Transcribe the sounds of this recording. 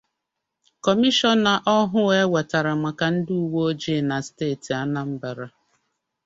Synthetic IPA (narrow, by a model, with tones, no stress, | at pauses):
kɔ˨mi˦ʃɔ˦nːa˨ʔɔ˦ɦʊ˦e˦we˨ta˨ɾa˨ma˨ka˨n̩˦du˦u˨wo˦o˦d͡ʒe˦˨na˨steː˦˨ti˨a˦na˦m̩˦ba˨ɾa˦